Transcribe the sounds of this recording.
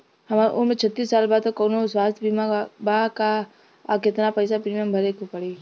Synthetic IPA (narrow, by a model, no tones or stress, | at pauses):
hɐmaʔomẽt͡ʃʰɐt̪ːiːsːaːlbaːd̪okɔːnoswaːst̪ʰbʱimabaka | kɪt̪napɐjsapɾimijəmbʱɐɾekopɐɽe